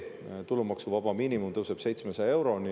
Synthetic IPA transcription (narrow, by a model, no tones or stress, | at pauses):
t̪ulːumɑksuvɑb̥ɑmiːnimumt̪ɤwseb̥se̞jt̪smesee̞wɾo̞ni